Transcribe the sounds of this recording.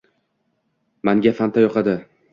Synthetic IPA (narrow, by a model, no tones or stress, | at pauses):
maŋɡʲafant̪ʰajɒqɑd̪ɪ